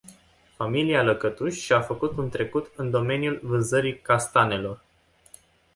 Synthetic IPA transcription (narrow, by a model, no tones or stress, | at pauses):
familialəkət̪uʃʲʃafəkut̪unt̪ɾe̞kut̪ɨnd̪o̞me̞njulvɨnzəɾikast̪ane̞lo̞r